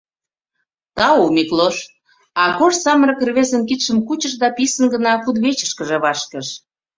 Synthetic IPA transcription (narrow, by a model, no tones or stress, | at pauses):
t̪ɑomikloʃ | ɑkoʃsɑməɾə̆krβezə̆nkit̪ʃə̆mkut͡ɕə̆ʃd̪ɑpisə̆nɡənɑkud̪βet͡ɕə̥ʃkəʒĕβɑʃkə̆ʃ